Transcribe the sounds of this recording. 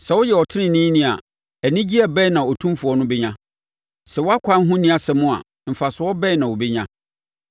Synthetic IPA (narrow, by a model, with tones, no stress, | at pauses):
sɛ˨wʊ˦jɛ˨wɔ˨tʰɪ˦nɪ̃˨nĩ˦nĩ˦a˨ | æ˨nĩ˦d͡ʑi˦ɛ˨bɛ˦˨nã˨ɔ˨tʰũ˦fu˨˦ɔ˨˦nʊ̃˦bɛ˦ɲã˦ | sɛ˨wʊ˦a˦kʷʰã˦n˦ɦũ˦nĩ˦a˨sɛ˨mʊ̃˦a̰˨ | m̩˨fa˨sʊ˦wɔ˦bɛ˦˨nã˨wo˨be˦ɲã˦